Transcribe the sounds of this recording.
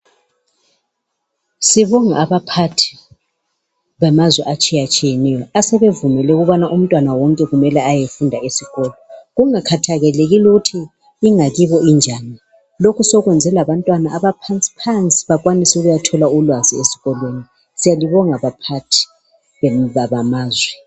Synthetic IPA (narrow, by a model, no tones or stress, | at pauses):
siβɔŋa̰ːβapʰatʰi̥ | βamazwɛʔat͡ʃʼijat͡ʃʼijɛnɛjɔasɛβevumɛlɛɣuβanaʔum̩tʼwanawɔŋkʼɛɣumɛlɛajefundʱaesiɣɔːlɔɣuŋakʰatʰaɣɛleɣiluɣutʰiː | ŋaɣiβɔind͡ʒʱaːni | lokʰusɔɣwɛnd͡zʱɛlaβantʼwanaːβapʰant͡sʼi̥pʰant͡sʼi̥βaɣwanisuɣujatʰɔlaulwaziesi̥ɣɔlweni | sijaliβɔŋaβapʰatʰi̥ | βɛβaβamaːzwɛ